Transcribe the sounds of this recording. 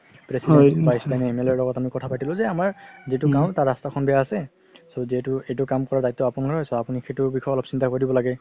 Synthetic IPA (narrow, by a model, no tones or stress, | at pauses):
pɹesidɛ̃pajislajnɛemelɔɹlɔɡɔtamikɔtʰapatilʊ̃zɛamaɹzitʊkaʊ̃taɹastakʰɔnbɛjaːsɛ | soziɦɛtʊejtʊkamkɔɹadajt̪ːɔapunakaɹɦɔjsɔapunixʰetʊbikʰɔɔlɔpsintakoɹdibɔlaɡɛ